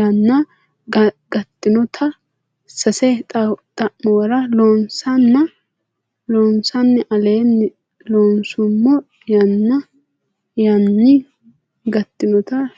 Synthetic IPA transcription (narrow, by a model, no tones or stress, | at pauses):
ɐnːɐ | ɡɐt̪ːɪnɔt̪ʰɐ | sɐsɛt̪ʼɐʔmɔwɐɾɐloːnsɐnːɐ | loːnsɐnːɪʔɐle̞ːnːɪ | loːnsʊmːɔ | jɐnːɐ | jɐnːɪ | ɡɐt̪ːɪnɔt̪ɐ